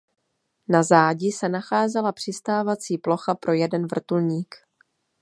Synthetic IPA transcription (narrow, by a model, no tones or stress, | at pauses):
nazaːɟɪsɛnaxaːzɛlapr̝̥ɪst̪aːvat͡siːplo̞xapɾʔo̞jɛdɛnvr̩t̪ulɲiːk